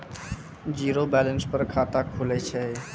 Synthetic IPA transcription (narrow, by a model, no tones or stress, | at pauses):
d͡ʒiɾobɛlənspəɾkʰat̪akʰulɛt͡ʃʰɛ